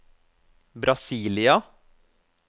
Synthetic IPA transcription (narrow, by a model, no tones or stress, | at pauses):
bɾʔɑsiːlɪɑ